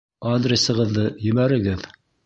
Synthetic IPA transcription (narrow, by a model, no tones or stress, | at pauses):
ad̪rʲesɤ̆ʁɤ̆ðːɤjɵ̆mæɾɘ̆ɡɘð